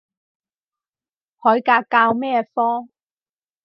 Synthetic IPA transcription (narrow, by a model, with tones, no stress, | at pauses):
hɔː˨˥jkaː˧kːaː˧wmɛː˥fɔː˥